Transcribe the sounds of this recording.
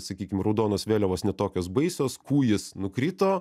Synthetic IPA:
sɐkʲiːkʲɪmrɐʊd̪oːnoːsʋʲeːlʲɛʋoːsnʲɛt̪oːkʲoːsbɐɪsʲoːskuːjɪsnʊkɾʲiːt̪oː

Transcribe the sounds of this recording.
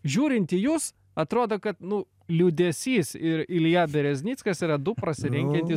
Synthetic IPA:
ʒʲuːɾʲɪnʲt̪ʲijuːs | ɐt̪ɾoːd̪oːkɐt̪nʊ | lʲuːd̪ʲɛsʲiːsɪɾɪlʲjaːbʲɛɾʲɛzʲnʲiːt͡sskɐsiːɾɐd̪ʊpɾɐsʲɪɾʲɛŋʲkʲɛnt̪ʲɪ

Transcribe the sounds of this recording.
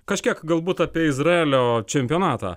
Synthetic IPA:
kɐʃʲkʲiɛkɡɐlˠbuːt̪ɑːpʲiɛɪzɾɐeːlʲoːt͡ʃʲɛmʲpʲɪjoːnɑːt̪ɑ̰ː

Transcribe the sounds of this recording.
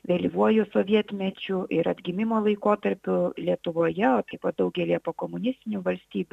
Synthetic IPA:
ʋʲelʲiʋuɔjʊsoːʋʲiɛt̪ʲmʲɛt͡ʃʲʊʔɪɾɐd̪ʲɡʲɪmʲɪmoːlˠɐɪkoːt̪ɐɾʲpʲʊlʲiɛt̪ʊʋoːjɛoːt̪ɐɪpɐːt̪̚d̪ɐʊɡʲɛlʲiɛpoːkoːmʊnʲɪsʲt̪ʲɪnʲuʋɐlʲsʲt̪ʲiːbʲʊ

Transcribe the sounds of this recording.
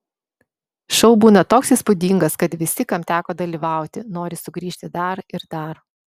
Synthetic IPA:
ʃɔʊbuːnɐt̪oːksiːspʊd̪ʲiŋɡɐskɐt̪ʋʲɪsʲɪkɐmt̪ʲæːkoːd̪ɐlʲiːʋɑˑʊt̪ʲɪnoːɾʲɪsʊɡɾʲiːʃʲt̪ʲɪd̪ɐɾɪɾd̪ɐɾ

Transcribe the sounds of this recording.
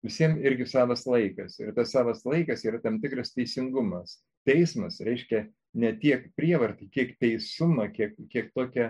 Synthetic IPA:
ʋʲɪsʲiɛmɪɾʲɡʲɪsɑːʋɐslˠɐɪkɐsɪ̰rt̪ɐssɑːʋɐslˠɐɪkɐsiːɾɐt̪ɐmt̪ʲɪkɾɐst̪ʲɛɪsʲɪŋɡʊmɐs | t̪ʲɛɪsmɐsɾʲɛɪʃʲkʲɛ | nʲɛt̪ʲiɛkpʲɾʲiɛʋɐrt̪ɐɪkʲiɛkt̪ʲɛɪsʊmɐkʲiɛkkʲiɛkt̪oːkʲɛ

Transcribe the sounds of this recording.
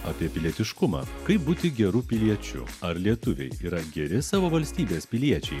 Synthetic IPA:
ɐːpʲiɛpʲɪlʲiɛt̪ʲɪʃkʊmɑ̰ːkɐɪp̚buːt̪ʲɪɡʲɛɾuːpʲɪlʲiɛt͡ʃʲʊ̰ɐɾlʲiɛt̪ʊʋʲɛ̰ɪiːɾɐɡʲɛɾʲɪsɑːʋoːʋɐlʲsʲt̪ʲiːbʲeːspʲɪlʲiɛt͡ʃʲɛɪ

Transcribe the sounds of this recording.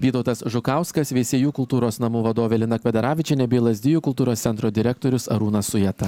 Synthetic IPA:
ʋʲiːt̪ɒʊt̪ɐsʒʊkɑˑʊskɐsʋʲeːsʲeːjuːkʊlˠt̪uːɾoːsnɐmuːʋɐd̪oːʋʲɛlʲɪnɐkʋʲɛd̪ʲɛɾɑːʋʲɪt͡ʃʲɛnʲɛbʲeːlˠɐzʲd̪ʲɪjuːkʊlˠt̪uːɾoːssʲɛnt̪ɾoːd̪ʲɪɾʲɛk̚t̪oːɾʲʊsɐ̰ɾuːnɐsʊjɛtt̪ɐ

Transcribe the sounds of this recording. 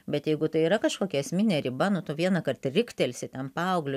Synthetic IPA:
bʲɛt̪jɛɪɡʊt̪ɐɪiːɾɐkɐʃkoːkʲɛɛsʲmʲɪnʲeːɾʲɪbɐnʊt̪ʊʋʲiɛnɐkɐrt̪rʲɪkt̪ʲɛlʲsʲɪt̪ʲɛnpɑɐʊɡlʲʊ

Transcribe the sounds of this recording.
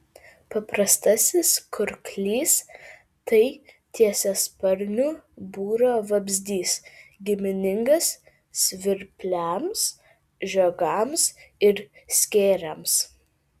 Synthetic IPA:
pɐpɾɐst̪ɐsʲɪskʰʊɾklʲiːs | t̪ɐɪt̪ʲiɛsʲɛspɐɾʲnʲuːbuːɾoːʋɐbʲzʲd̪ʲiːsɡʲɪmʲɪnʲɪŋɡɐs | sʲʋʲɪɾʲpʲlʲæms | ʒʲoɡɐmsɪɾsʲkʲeːɾʲɛms

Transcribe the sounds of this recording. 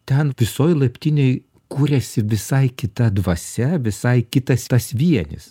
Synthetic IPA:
t̪ʲɛnʋʲɪsoːjlˠɐpʲt̪ʲɪnʲeɪ | kuːɾʲɛsʲɪʋʲɪsɐɪkʲɪt̪ɐd̪ʋɐsʲɛʋʲɪsɐɪkʲɪt̪ɐst̪ɐsʋʲiɛnʲɪ̰s

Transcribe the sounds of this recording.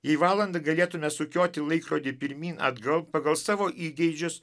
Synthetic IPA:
jɛɪʋɑːlˠɐnd̪ɐɡɐlʲeːt̪ʊmʲɛsʊkʲoːt̪ʲɪlˠɐɪkɾoːd̪ʲɪpʲɪɾʲmʲiːnɐ̰d̪ɡɐlˠppɐɡɐlˠsɑːʋoːʔiːɡʲɛɪd͡ʒʲʊs

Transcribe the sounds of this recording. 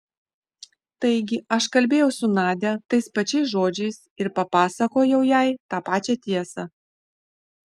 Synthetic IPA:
t̪ɐɪɡʲɪɐʃkɐlʲbʲeːjɛʊsʊnɑːd̪ʲɛt̪ɐɪspɐt͡ʃʲɛɪsʒoːd͡ʒʲɛɪsɪɾpɐpɑːsɐkoːjɛʊjæˑɪt̪ɑːpɑːt͡ʃʲɛt̪ʲiɛsɐ

